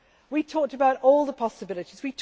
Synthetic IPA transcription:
witʰɔˑk̚təbaʊtɔːlˠðəpʰɒsəbɪlɪtizwitʰ

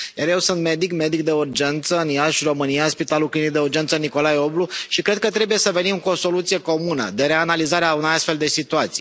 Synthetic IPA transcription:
jaɾje̞wsunt̪me̞d̪ikme̞d̪ik̚d̪e̞urd͡ʒe̞nt̪səɨnjaʃro̞mɨnijaspit̪aluklinik̚d̪e̞urd͡ʒe̞nt̪səniko̞lajo̞bluʃikɾe̞d̪̚kət̪ɾe̞buje̞səve̞nimkuo̞so̞lut̪sije̞ko̞munə̰d̪e̞ɾe̞analizaɾeaunejast̪fe̞ld̪e̞sit̪uat̪si̥

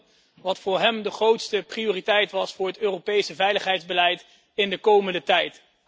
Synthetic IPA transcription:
ʋɑtfʊːɹɦɛmdəχrowtstəprijoːritɛjtʋɑsfʊːɹɦətøːrowpejsəvɛjləχɦɛjdzbəlɛjt | ɪndəkowməndətɛjt

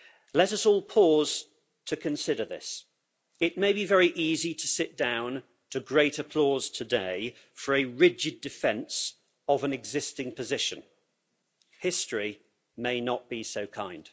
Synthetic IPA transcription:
lɛɾʌsɔːlˠpʰɔːz̥ | tʰɨkʰɨ̃nsɪɾəðɪ̰s | ɪʔ̚meɪbivɛɹiʔizitʰəsɪʔ̚d̥ãʊ̃n | tʰɨɡɹeɪɾɨpʰl̥ɔz̥tʰədeɪ | fə˞ɨɹɪd͡ʒɪdɨfɛ̃ns | əvə̃nɨɡzɪstɪ̃ŋpʰəzɪʃɨ̰̃n | hɪstɹ̥i | meɪnəʔ̚b̥isoʊkʰã̰ɪ̃nd̥

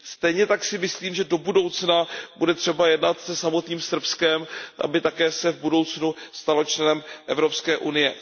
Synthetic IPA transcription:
st̪ɛjɲɛt̪aksɪmɪsliːmʒɛdo̞budo̞wt͡snabudɛt̪r̝̥ɛbajɛdnat̪sɛsamo̞t̪ɲiːmsr̩pskɛmʔa̰bɪt̪akɛːsɛvbudo̞wt͡snust̪alo̞t͡ʃlɛnɛmʔɛvɾo̞pskɛːʔunɪjɛ

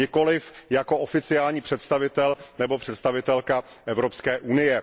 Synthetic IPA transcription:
ɪko̞lɪfjako̞ʔofɪt͡sɪjaːlɲiːpr̥ɛt̪st̪avɪt̪ɛlnɛbo̞pr̥ɛt̪st̪avɪt̪ɛlka | ʔɛvɾopskɛːʔunɪjɛ

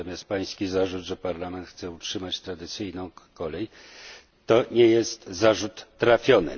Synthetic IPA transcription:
ɔmʲjast̪̚paj̃skʲizaʐud̪ʐɛpaɾlamɛnt̪xt̪sɛutʂɘmat͡ɕt̪ɾad̪ɘt̪sɘjnɔ̃w̃kɔlɛj | t̪ɔɲɛjɛst̪zaʐut̪ːɾafʲjɔnɘ̰

